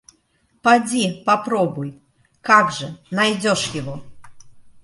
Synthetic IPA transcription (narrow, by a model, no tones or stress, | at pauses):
pad͡zʲipapɾɔbuj | kaɡʐɐnajd͡zʲɔʂjaɣɔ